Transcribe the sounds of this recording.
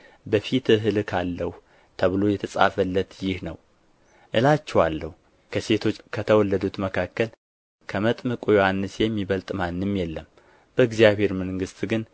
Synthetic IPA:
bəfit̪ɨɦɨlkʰalːəh | t̪ʰəβɨlo̞jɛt̪ʰəsʼa̰fəlːət̪jɪhnə̰w | ʔɨlat͡ʃːɛwalːəhu | kʰəse̞t̪ʰo̞t͡ʃːkʰət̪ʰəwɔlːəd̪ut̪məkʰakːəl | kʰəmət̪ʼmɨkʼujohanːɨsjɛmːiβəlt̪ʼmanːɨmjɛlːəm | b̥əɨɡzjaβhe̞ɾməŋɡɨst̪ʼɡɨn

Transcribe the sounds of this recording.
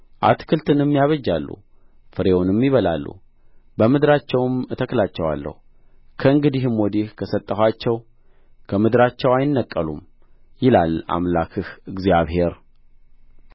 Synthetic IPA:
ʔa̰t̪kʰɨlt̪ʰɨnɨmːijaβəd͡ʒːalːṵ | fɨɾe̞wʊnmːɪβəla̰lːṵ | bəmɨd̪ɨɾat͡ʃːɛwɨmt̪ʰəklat͡ʃːɛwa̰lːə̰hu | kʰəɨŋɡɨd̪ihmwɔd̪ihkʰəsət̪ʼːəhʷat͡ʃːɛw | kʰəmɨd̪ɨɾat͡ʃːɛwajɪnːəkʼːəlṵm | jɪla̰la̰mlakʰɨhɨɡzaβhe̞ɾ

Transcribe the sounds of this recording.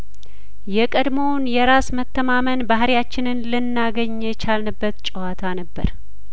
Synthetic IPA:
jɛkʼəd̪mo̞wnjɛɾasmət̪ːəmamənbahɾjat͡ʃːɪnɨnlɨnːaɡəɲːɛt͡ʃalnɨbːət̪t͡ʃʼəwat̪ʰanəbːə̰ɾ

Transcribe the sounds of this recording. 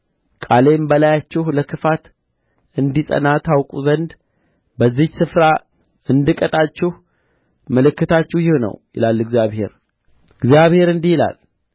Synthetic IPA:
kʼalembəlajat͡ʃːɪhləkʰɨfat̪ | ɨnd̪isʼə̰nat̪ʰawkʼuzənd̪ | bəzːihsɨfɾa | ɨnd̪ɨkʼət̪ʼat͡ʃːɪh | məlɨkːɨt̪at͡ʃːɪhjɪhonə̰wjɪ̰lalːɨɡzjaβhe̞̰ɾ | ɨɡzijaβhe̞ɾɨnd̪ihɪla̰l

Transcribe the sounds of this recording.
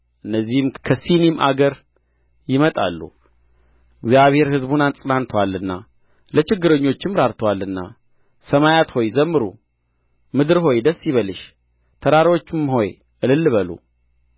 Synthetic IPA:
ʔɨnːəzːihɨmkʰəsinimʔa̰ɡəɾ | jɪmət̪ʼa̰lːṵ | ɨɡzjaβhe̞ɾhɨzbunant͡sʼnant̪ʰəwalːɨnːa̰ | lət͡ʃɪɡːɨɾəɲːo̞t͡ʃːɪmɾaɾt̪ʰəwalːɨnːa̰ | səmajat̪ho̞jzəmːɨɾṵ | mɨd̪ɨɾɦo̞jd̪əsːjiβəlɨʃ | t̪ʰəɾaɾwo̞t͡ʃːɪmho̞j | ʔɨlɨlːβəlṵ

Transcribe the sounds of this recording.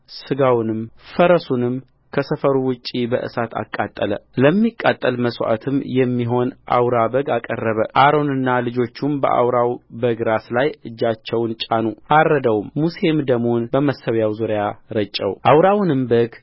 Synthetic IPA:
sɨɡawnɨmfəɾəsunɨm | kʰəsəfəɾuwʊt͡ʃʼːibəʔɨ̰sat̪ʰa̰kʼːat̪ʼːələ̰ləmːikʼːat̪ʼːəlməswʔa̰t̪ʰɨmjɛmːiɦo̞nʔa̰wɾabəɡakʼə̰rːəβəʔaɾo̞nɨnːalɨd͡ʒo̞t͡ʃːumbə̰ʔa̰wɾawbəɡɾaslajɨd͡ʒːat͡ʃːɛwnt͡ʃʼanuʔaɾːəd̪əwmmuse̞md̪əmonbəməsːəwjawzuɾjaɾət͡ʃʼːə̰wʔawɾawnɨmbəɡ

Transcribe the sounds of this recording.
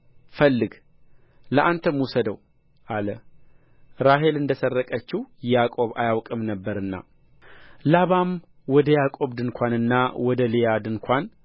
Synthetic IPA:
fəlːɨɡ | ləʔant̪ʰəmusəd̪əw | ʔalə | ɾaɦe̞lɨnd̪əsərːəkʼət͡ʃːijjakʼo̞βa̰jawkʼɨmnəbːəɾɨnːa̰ | laβam | wɔd̪əjakʼo̞βd̪ɨnkʰʷanɨnːawɔd̪əlijad̪ɨŋkʰʷan

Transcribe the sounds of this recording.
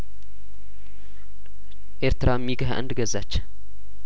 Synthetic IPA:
ʔeɾt̪ʰɨɾamːiɡəɦa̰ʔɨ̰nd̪ɨɡəzat͡ʃː

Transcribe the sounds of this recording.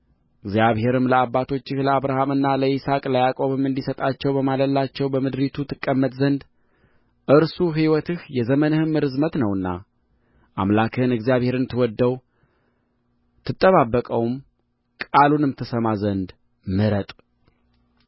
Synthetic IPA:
ʔɨɡzjaβhe̞ɾɨmləabːat̪ʰo̞t͡ʃːɪhləaβɾahamɨnːaləisakʼlajakʼo̞βɨmːɨnd̪isət̪ʼat͡ʃːɛwbəmaləlːat͡ʃːɛwbəmɨd̪ɾit̪ʰut̪ʰɨkʼːəmːət̪zənd̪ | ʔɨɾsuɦiwɔt̪ɨhjɛzəmənɨhɨmːɨɾɨzmət̪nəwɨnːa̰ | ʔamlakʰɨhɨnɨɡzijaβhe̞ɾɨnt̪ʰɨwɔd̪ːəw | t̪ʰɨt̪ʼːəβabːəkʼəwm | kʼalunɨmt̪ʰəsəmazənd̪ | mɨɾət̪ʼ

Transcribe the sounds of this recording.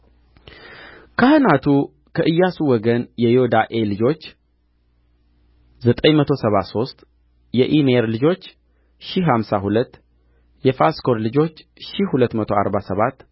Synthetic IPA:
kʰəhɨnat̪ʰu | kʰəʔɨjːasuwɔɡənjɛjihod̪aʔe̞lɨd͡ʒo̞t͡ʃː | zət̪ʼəɲmət̪ʰo̞səβaso̞st̪ʼ | jɛʔineɾlɨd͡ʒo̞t͡ʃː | ʃiɦamsahulət̪ː | jɛfasko̞ɾlɨd͡ʒo̞t͡ʃːʃihulət̪ːmət̪ʰo̞a̰ɾbasəβat̪ː

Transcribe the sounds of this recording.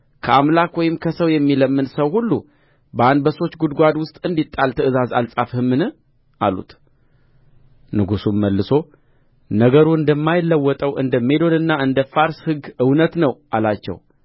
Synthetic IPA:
kʰəamlakwɔjɪmkʰəsəwjɛmːiləmːɨnsəwhulːṵ | bəanbəso̞t͡ʃːɡud̪ɡʷad̪wʊst̪ʼɨnd̪it̪ʼːalt̪ʰəɨzazalsʼafhɨmːɨnɨ | ʔa̰lṵt̪ | nɨɡusumːəlːɨso̞ | nəɡəɾuɨnd̪əmːajɪlːəwːɔt̪ʼəwʔɨ̰nd̪əme̞d̪o̞nɨnːaɨnd̪əfaɾshɨɡɨwnət̪nəwʔalat͡ʃːɛ̰w

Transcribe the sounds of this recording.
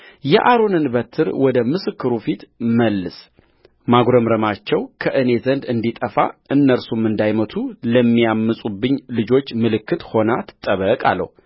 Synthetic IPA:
jɛʔaɾonɨnbət̪ʰːɨɾwɔd̪əmɨsɨkːɨɾufit̪məlːɨs | maɡɾəmɾəmat͡ʃːɛwkʰəʔɨne̞zənd̪ɨnd̪it̪ʼəfa̰ʔɨnːəɾsumɨnd̪ajmət̪ʰuləmːijamːɨsʼubːɨɲːlɨd͡ʒo̞t͡ʃːmɨlɨkːɨt̪ho̞nat̪ʰɨ̥t̪ʼːəβəkʼa̰lːə̰hu

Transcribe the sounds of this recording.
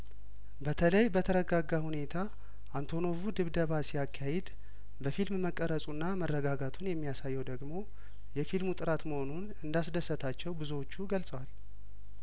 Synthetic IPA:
bət̪ʰələjbət̪ʰəɾəɡaɡːahune̞t̪ʰa | ʔant̪ʰo̞no̞vud̪ɨβd̪əβasijakʰːahɛd̪ | bəfilmməkʼːəɾəsʼunːamərːəɡaɡat̪ʰunjɛmːijasajːɛwd̪əɡmo̞ | jɛfilmut̪ʼɨɾat̪məho̞nunɨnd̪asd̪əsːət̪ʰat͡ʃːɛwbɨzuwot͡ʃːuɡəlsʼəwal

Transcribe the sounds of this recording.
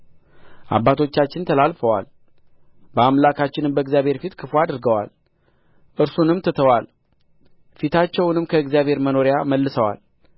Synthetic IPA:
ʔa̰bːat̪ʰo̞t͡ʃːat͡ʃːɪnt̪ʰəlalfəwa̰l | bəamlakʰat͡ʃːɪnɨmbəɨɡzjaβhe̞ɾfit̪kʰɨfuad̪ɨɾɡəwa̰l | ʔɨɾsunɨmt̪ʰət̪ʰəwal | fit̪ʰat͡ʃːɛwnɨmkʰəɨɡzjaβʱhe̞ɾməno̞ɾjaməlːɨsəwa̰l

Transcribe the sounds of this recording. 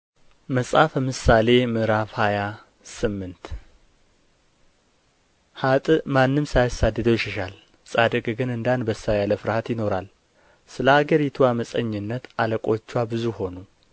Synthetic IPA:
məsʼafəmɨsale̞mɨɾafhaja | sɨmːɨnt̪ | hat̪ʼmanːɨmsajasad̪ːɨd̪əwjɪʃɛʃal | sʼad̪əkʼɡɨnɨnd̪anbəsajaləfɨɾhat̪jɪno̞ɾal | sɨləhaɡəɾit̪ʰuaməsʼəɲːɨnːət̪aləkʼo̞t͡ʃːwabɨzuho̞nu

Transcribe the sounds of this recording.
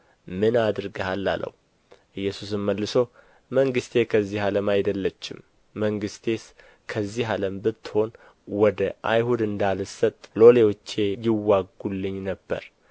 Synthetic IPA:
mɨnad̪ɨɾɡəhalːa̰lə̰w | ʔɨjːɛsus̬ɨmməlːɨsəw | məŋɡɨst̪ʰe̞kʰəzːihaləmajd̪əlːət͡ʃːɪ̰mː | əŋɡɨst̪ʰe̞s | kʰəzːiɦaləmbɨt̪ːho̞n | wɔd̪əʔa̰jhud̪ɨnd̪alɨsət̪ʼlo̞lewɔt͡ʃːe̞jɪwːaɡulːɨɲːnəbːə̰ɾ

